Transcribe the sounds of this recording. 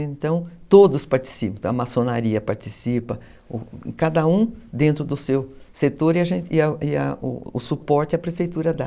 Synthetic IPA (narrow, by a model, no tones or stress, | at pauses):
ẽnt̪ɐ̃w̃t̪od̪ʊspaɾt͡ʃi̥sipɐ̃ɐmasonaɾiɐpaɾt͡ʃisipɐ | ʊ̰̃kad̪ɐũd̪ẽnt̪ɾʊd̪ʊsewset̪oɾiɐʒẽnɪɐɪɐ̰ʊ̰ʊsupɔɾt͡ʃɪɐpɾefejt̪uɾɐd̪a